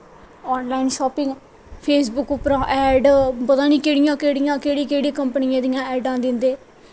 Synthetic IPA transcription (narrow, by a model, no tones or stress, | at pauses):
ɔːnlaːɪnʃɔːpɪ̃ŋɡ | pʰeːsbʊkʊpɾãːʔɛːɖpət̪ãːniːkeːɽɪjãːkeːɽɪjãːkeːɽiːkeːɽiːkəmpənɪjãːd̪ɪjãːɛːɖãːd̪ɪnd̪eː